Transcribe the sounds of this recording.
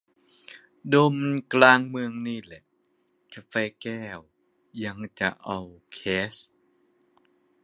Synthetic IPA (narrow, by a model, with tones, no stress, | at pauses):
do˧mklaː˧ŋmɯ˧əŋniː˥˩lɛ˨˩ʔ | kʰa˧˩feː˧kɛː˥˩w | ja˧ŋt͡ɕa̰˨˩ʔa˧wkʰɛː˦˥s